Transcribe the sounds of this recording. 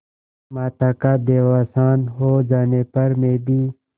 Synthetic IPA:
maːt̪aːkaːd̪eːwaːsaːnɦoːd͡ʒaːneːpɐɾmẽːbiː

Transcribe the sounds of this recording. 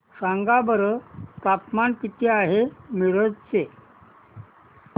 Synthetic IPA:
saŋɡabəɾət̪at̪mankit̪ʰeaɦemiɾəd͡zt͡se

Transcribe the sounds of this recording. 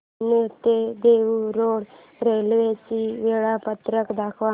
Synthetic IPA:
nət̪ed̪eʋuɾoɽ | ɾelʋet͡ɕiʋeɭapət̪ɾəkd̪akʰʋa

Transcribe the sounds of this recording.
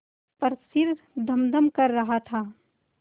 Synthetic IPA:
pɐɾsɪɾ | d̪ɐmd̪əmkɐɾːɐɦat̪ʰaː

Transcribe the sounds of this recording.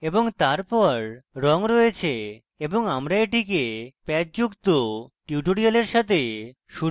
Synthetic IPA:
eboŋt̪aɾpɔɾɾɔŋɾɔet͡ɕʰe | eboŋamɾaeʈik̬epɛt̚d͡ʑukt̪oʈjuʈoɽialeɾʃat̪ʰe | ʃu

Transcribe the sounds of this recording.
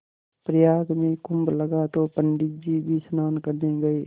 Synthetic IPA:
pɾəjaːɡmẽkʊmbləɡat̪opəɳɖɪk̪̚d͡ʒibʱisʊnaːnkəɾnẽɡɐeː

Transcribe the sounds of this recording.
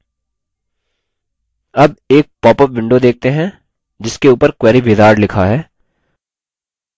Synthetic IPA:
ɐb̚eːk̚pɔːpəpʋɪ̃ɳɖod̪eːk̚ʰt̪eɦɛ̃ | d͡ʒɪskeuːpəɾkwɛːɾibeːd̪aːɖlɪkʰaɦɛː

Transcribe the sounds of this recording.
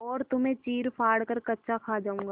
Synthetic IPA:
ɔːɾt̪ʊmẽt͡ʃiːɾpʰaːɽkəɾkɐtːʃʰakʰaːd͡ʒaːũːŋɡa

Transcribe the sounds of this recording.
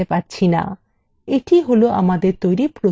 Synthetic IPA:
epaɾt͡ɕʰina̰ | eʈʰiɦoloʔa̰mad̪eɾt̪ojɾipɾo

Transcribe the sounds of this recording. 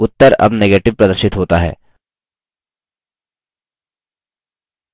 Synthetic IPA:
ʊt̪ːəɾɐ̰bneːɡeːʈɪʋpɾɐd̪əɾʃɪt̪ɦoːt̪aɦɛ̰ː

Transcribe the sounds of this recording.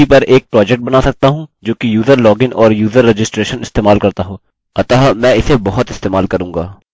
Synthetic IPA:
ipɐɾeːk̚pɾɔːd͡ʒɛk̚ʈ̚bɐnaːsɐk̚t̪aɦũd͡ʒoːkijuːzəɾlɔːɡɪnʔɔːɾjuːzəɾːed͡ʒɪsʈɾeːʃənɪst̪eːmaːlkɐɾt̪aɦoː | ɐt̪aːɦmɛ̃ːɪsebɔɦʊt̪ɪst̪eːmaːlkɐɾũːŋɡa̰ː

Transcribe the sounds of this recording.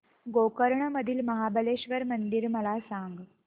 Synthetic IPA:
ɡokəɾɳəməd̪ʱiːlməɦabʱəleɕʋəɾmənd̪iɾməlasaŋɡ

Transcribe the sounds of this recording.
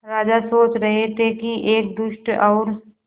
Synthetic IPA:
ɾaːd͡ʒasoːt͡ʃɾɐɦet̪ʰekiʔeːk̚d̪ʊʃʈɔːɾ

